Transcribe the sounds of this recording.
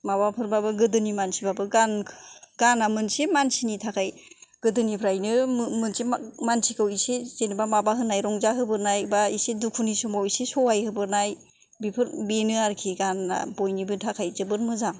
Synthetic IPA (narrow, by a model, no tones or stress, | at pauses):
mabapʰɯɾbabɯɡɯdɯnimansibabɯɡanɡ̥anamɯnsemansinitʰakʰajɡ̥ɯdɯnipʰɾajnɯmɯnsemansʰikʰɯwisez̥enibamabaɦɯnajɾɔŋzaɦɯbɯɾnajbaisedukʰunisɔmawisesɔwajhɯbɯɾnaj | bipʰɯɾbenɯaɾkʰiɡanːa̰bojnibɯtʰakʰajzɯbɯɾmɯzaŋ